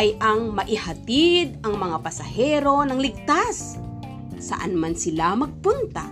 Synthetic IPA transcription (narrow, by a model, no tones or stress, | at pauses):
ʔɐjʔɐŋmɐʔɪhɐt̪id̪̚ɐŋmɐŋapɐsɐhɛɾo̞nɐŋlɪɡ̚t̪as | sɐ̰ʔa̰nmansɪlamɐɡ̚punt̪a